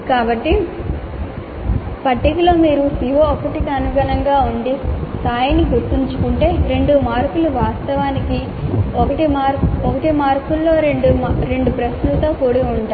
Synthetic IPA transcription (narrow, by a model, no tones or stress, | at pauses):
kaːbɐʈːi | pɐʈːiklo̞ːmiːɾusiʋoɔkɐʈikiɐnuɡɐɳɐŋɡaːuɳɖisaːjɐniɡuɾt̪iɲt͡ʃu̥kuɳʈe̞ːɾe̞ɳɖumaːɾkuluʋaːst̪ɐʋaːniki | ɔkɐʈimaːɾɔkɐʈimaːɾkulːo̞ːɾeɳɖuɾe̞ɳɖupɾɐsnut̪oːkoːɽiuɳʈaː